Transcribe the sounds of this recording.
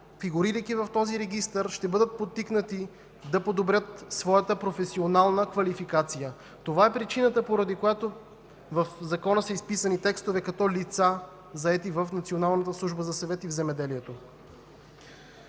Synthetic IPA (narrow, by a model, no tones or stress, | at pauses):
fiɡuɾiɾijkivɐft̪ɔziɾɛɡist̪əɾʃt̪ɛbɤd̪ət̪̚pot̪ːiknət̪i | d̪ɐpod̪obɾʲət̪svɔjət̪əpɾofɛsionalˠnəkvɐlifikat̪sijə | t̪ovaɛpɾit͡ʃinət̪əpoɾɐd̪ikojat̪o | vəfzɐkɔnəsəispisənit̪ɛkst̪ovɛkɐt̪ɔlit̪sa | zɐɛt̪ivəfnɐt̪sionalˠnət̪əslˠuʒbəzɐsɐvɛt̪ivzɛmɛd̪ɛliɛt̪o